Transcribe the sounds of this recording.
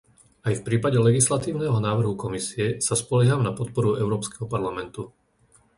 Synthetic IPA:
ajfpɾiːpaɟɛlɛɡislat̪iːʊnɛɦɔnaːʋr̩ɦukɔmisiɛsaspɔljɛɦaːmnapɔt̪̚pɔɾuɛʊɾɔːpskɛɦɔpaɾlamɛnt̪u

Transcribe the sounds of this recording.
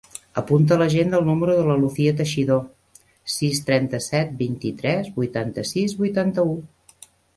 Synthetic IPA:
əpunt̪̬ələʒend̪əlˠnuməɾuðələluθiət̪əʃiðo | sist̪ɾɛnt̪əsɛt̪̚bint̪it̪ɾɛzbujt̪ant̪əsizβujt̪ant̪əu

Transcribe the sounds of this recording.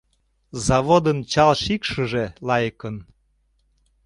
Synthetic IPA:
zɑβod̪ənt͡ɕɑlʃikʃəʒelɑjkən

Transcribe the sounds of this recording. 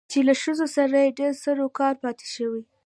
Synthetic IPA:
t͡ʃelaʃəzosaɾajeɖeɾsəɾokɑɾpɑt̪e̥ʃəwi

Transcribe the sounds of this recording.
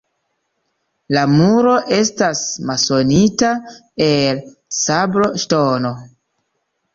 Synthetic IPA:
lamuɾo̞ʔe̞stasmaso̞nitaelsabɾo̞ʃtono̞

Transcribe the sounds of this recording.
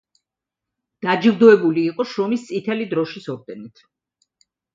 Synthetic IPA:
d̪̥ad͡ʒivd̪ɔɛbuliːqʼɔʃɾɔmist̪sʼit̪ʰɛlid̪ɾɔʃisɔɾd̪̥ɛnit̪ʰ

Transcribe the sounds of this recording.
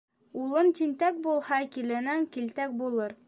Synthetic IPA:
ulˠɤnt̪int̪æk̚bulˠhɑkilɘnæŋkilt̪æk̚bulˠɤɾ

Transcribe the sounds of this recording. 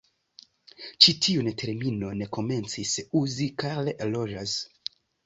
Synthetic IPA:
t͡ʃitʰiuntʰe̞ɾmino̞ne̞ko̞me̞nt͡sisuzikalelo̞d͡ʒas

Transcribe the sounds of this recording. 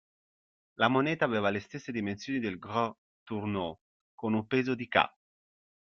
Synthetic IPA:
lamonɛːt̪aːveːvalest̪esːed̪imensjoːnid̪elɡɾɔ | t̪urno | konumpeːzod̪ika̰

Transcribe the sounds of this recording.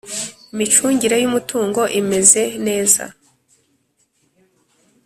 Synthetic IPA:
imit͡ʃuːɲɟiɾe̞jumutuːŋɡo̞ʔime̞ze̞ne̞ːza̰

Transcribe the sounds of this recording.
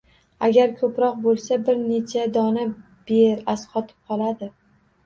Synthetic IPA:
aɡʲaɾkʰɵpɾɒq̚bolˠsabɪɾne̞t͡ʃʰad̪ɒna | b̥eɾasqʰɒt̪ʰɪ̥p̚qʰɒlˠad̪ɪ

